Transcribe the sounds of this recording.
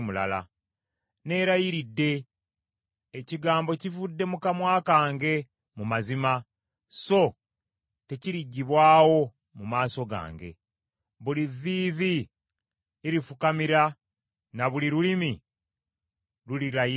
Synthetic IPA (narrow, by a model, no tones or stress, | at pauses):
mula̰la̰ | ne̞ːɾajiɾidːe̞ | ciɡaːmbo̞civudːe̞mukamwaːkaːŋɡe̞ | mumazima | so̞ | te̞ciɾiɟːiβwaːwo̞ | mumaːso̞ɡa̰ːŋɡe̞̰ | βuliviːvi | ɾifukamiɾa | naβuliɾulimi | ɾuliɾaji